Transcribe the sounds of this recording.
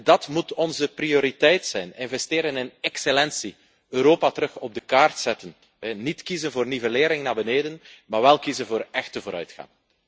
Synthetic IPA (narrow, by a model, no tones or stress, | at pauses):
dɑtmutɔnzəprioːɾitɛjtsɛjnɪnvɛsteːɾənɪnɛkselɛnsi | øːɾoːpatəɾɵxɔb̚dəkaːrtsɛtən | ɛnitkizənvoːrnivəleːɾɪŋnaːbəneːdənmaːɹʋɛlˠkizənvoːɾɛxtəvoːɾœ̰ɥtxa̰ŋ